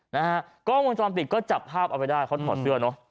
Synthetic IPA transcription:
na˦˥ɦa˦˥ʔ | kɔː˥˩mu˧nt͡ɕɔː˧mt̪̬i˨˩kɔː˥˩t͡ɕa˨˩p̚ʰːaː˥˩p̚ʔa˧wpa˧jdaː˥˩jkʰa˦˥t̪ʰɔː˨˩sɯ˥˩ɐnɔ˦˥

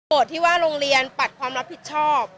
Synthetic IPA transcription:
o˨˩t̪̚ʰːiː˥˩waː˥˩ɾoː˧ŋɾi˧ənpa˨˩t̪̚kʰwaː˧mɾa˦˥pʰːi˨˩t̪̚t͡ɕʰɔː˥˩p̚

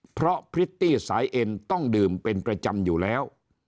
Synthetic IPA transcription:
pʰɾɔ˦˥pʰɾi˦˥t̪ːiː˥˩saː˩˨˦jʔe˧nt̪ɔ˥˩ŋdɯː˨˩mpe˧npɾa˧t͡ɕa˧mjuː˨˩lɛː˦˥w

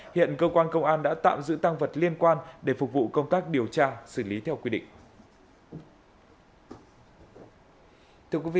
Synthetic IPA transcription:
hḭ˧˨ənkəː˧kwaː˧nkə˧wŋ͡mʔaː˧nɗa̰ː˧˥t̪a̰ː˧˨mzɨ̰˧˥t̪a˧ŋvə˨˩t̚li˧ənkwaː˧nɗe˧˩fʊ˨˩k͡p̚vṵ˧˨kə˧wŋ͡mt̪aː˦˥k̚ɗi˨˩əwt͡ɕaː˧sɨ˧˩li˨˦t̪ʰɛ˧wkwi˧ɗḭ̈˧˨ŋ̟ | t̪ʰɨ˧əkwi˨˦vḭ˧˨

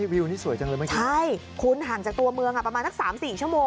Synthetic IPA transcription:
wi˧wniː˥˩su˨˩˦jt͡ɕa˧lɤː˧ma˥˩t͡ɕʰa˥˩j | kʰu˧nɦaː˨˩˦ŋt͡ɕaː˨˩k̚t̪u˧ɐmɯ˧əŋʔa˨˩pɾa˧aː˧nsa˥k̚saː˩˦msiː˨˩t͡ɕʰu˥˩əmoː˧

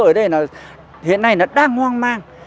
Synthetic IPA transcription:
əː˧˩jɗə˧jnɔː˨˩ | hḭ˧˨ənːa˧jnɔ˨˩ɗaː˧ŋhwaː˧ŋmaː˧ŋ

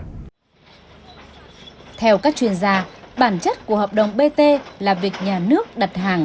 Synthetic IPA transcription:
t̪ʰɛ˧wkaː˦˥k̚t͡ɕwi˧˩ənzaː˧ɓaː˧˩nt͡ɕə˦˥t̚ku˧˩əhəː˨˩p̚ɗə˨˩wŋ͡mɓe˧t̪e˧laː˨˩vi˨˩ək̚ɲaː˨˩nɨ˦˥ək̚ɗə˨˩t̚ɦaː˨˩ŋ

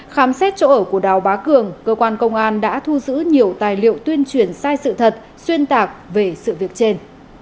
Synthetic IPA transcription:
xaː˨˦msɛ˦˥t̚t͡ɕo̰˧˥ʔəː˧˩ku˧˩əɗaː˨˩wɓaː˨˦kɨ˨˩əŋkəː˧kwaː˧nkə˧wŋ͡mʔaː˧nɗa̰ː˧˥t̪ʰu˧zɨ̰˧˥ɲi˨˩əwt̪aː˨˩jlḭ˧˨əwt̪wi˧ənt͡ɕwi˨˩ənsaː˧jsɨ̰˧˨t̪ʰə˨˩t̚ | swi˧ənt̪aː˨˩k̚ve˨˩sɨ̰˧˨vi˨˩ək̚t͡ɕe˧n

